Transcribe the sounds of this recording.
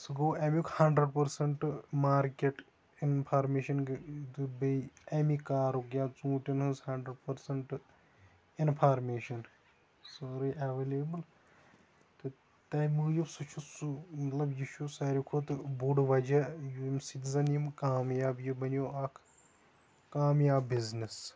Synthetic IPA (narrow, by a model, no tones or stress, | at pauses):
sɨɡoːemjukʰhɐɳɖɾəɖpɐɾsɐɳʈmaːɾkeʈ | inpʰaːɾmeːʃɐnɡd̪ubɐemikaːɾokjaːt͡sũːʈʲinhunshɐɳɖɾəɖpɐɾsɐɳʈ | inpʰaːɾmeːʃɐn | soɾiʔaʋeːleːbɨl | t̪ɨ | t̪ɐjmɨːjusut͡ʃʰusumɐt̪lɐbjit͡ʃʰusɐɾikʰot̪ɨbuɖʋɐd͡ʒɐjumsit̪izɐnjimkaːmjaːbjibɐnjoːɐkʰ | kaːmjaːbːiznis